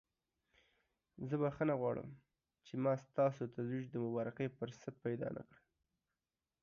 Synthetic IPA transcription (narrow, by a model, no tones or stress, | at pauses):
zəbaxənaɣwɑɽə̰m | t͡ʃemɑst̪ɑsot̪azwid͡ʒd̪əmʊbɑɾɪqəpəɾsat̪̚pajd̪ɑ̰nʔa̰kɽə